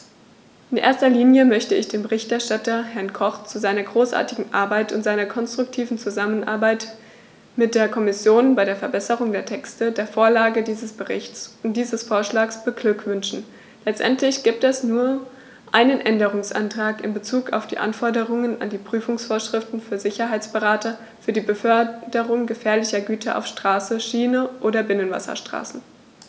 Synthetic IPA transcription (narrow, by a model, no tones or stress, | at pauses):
ʔɪnʔḛːɐstɐliːnjəmœçtəɪçd̥eːmbəʁɪçtɛɐʃtatɐhɛɐnkʰɔχt͡suzaɪnɐɡʁoːsʔa̰ːɐtɪɡŋ̩ʔa̰ɐbaɪtʊntz̥aɪnɐkʰɔnstʁ̥ʊk̚tʰiːvn̩t͡suzamənʔa̰ɐbaɪt | mɪt̚d̥eːɐkʰɔmɪsjoːnbaɪɾeːɐfɛɐbɛsəʁʊŋdeːɐtʰɛkstədeːɐfoːɐlaːɡədiːzəsb̥əʁɪçtt͡sʊntd̥iːzəsfoːɐʃlaːksb̥əɡlʏkv̥ʏnʃn̩ | lɛt͡stʔɛntlɪçɡ̥iːp̚tɛsnuːɐ | ʔaɪnənʔɛndəʁ̞ʊŋsʔa̰ntʁ̥aːkɪ̰nbət͡suːka̰ʊfd̥ḭːʔa̰nfɔɐdəʁʊŋəna̰ndiːpʁ̥yːfʊŋsfoːɐʃʁ̥ɪftn̩fyːɐzɪçɐɦaɪt͡sb̥əʁaːtɐ | fyːɐdiːbəfœɐdəʁʊŋɡəfɛːɐlɪçɐɡyːtʰɐʔa̰ʊfʃtʁ̥aːsəʃiːnəʔoːdɐbɪnənva̰sɐ̰ʃtʁ̥a̰ːsn̩